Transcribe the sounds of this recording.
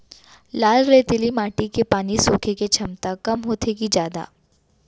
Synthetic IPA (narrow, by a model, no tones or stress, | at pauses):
laːlɾet̪ɪlimaːʈikepaːnisoːkʰeket͡ʃʰɐmt̪akɐmɦoːt̪ʰekid͡ʒjaːd̪a̰ː